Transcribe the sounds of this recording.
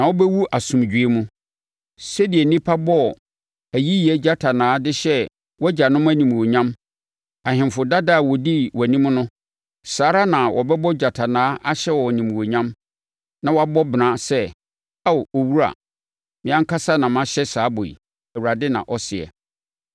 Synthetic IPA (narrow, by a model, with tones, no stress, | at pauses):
nã˨wɔ˦bɛ˦wu˦ʔa˨sʊ̃˨md͡ʑᶣɥe˦mũ˦ | sɛ˦di˨ɛ˨nĩ˦pʰa˦bɔ˦˨ | æ˨ji˦ji˨ɛ˦d͡ʑa˦tʰa˨nãː˨˦dɪ˦ɕɛ˦ | wɔ˦d͡ʑa˨nʊ̃˦m˦æ˦nĩ˨m˨wo˨ɲã˦m | a˨hɪ̃˨mfʊ˨da˦da˦˨wɔ˨di˦wɔ˨nĩ˦m˦nʊ̃˦ | saː˨˦ɾa˦nã˨wʔɔ̰˨bɛ˦bɔ˦d͡ʑa˨tʰa˨nãː˨˦ʔa˦ɕɛ˦wɔ˨nĩ˨m˨wo˨ɲã˦m | nã˨wɔ˦a˦bɔ˦bɪ˨nã˦sɛ˦ | a˦˨o˨wu˦ɾa̰˨ | mɪ̃˨˦ã˦ŋ̩˦kʰa˦sa˦nã˨m˦ã˦ɕɛ˦saː˨˦bɔ˨ḭ˨ | æ˨wu˨ɾa˨dɪ˦nã̰˨ʔɔ˦sɪ˨ɛ̰˨